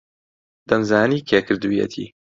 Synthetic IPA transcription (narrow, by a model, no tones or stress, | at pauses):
d̪̥ɐnzaːniːkʰeːkʰɨɾd̪uːjḛt̪ʰḭː